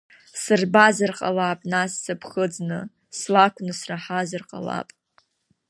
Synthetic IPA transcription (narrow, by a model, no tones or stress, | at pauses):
sɨrbazɨrqʼa̰lapʼnasːɨpʰχəd͡znɨ | slakʷʰʼnɨsraħazɨrqʼa̰la̰pʼ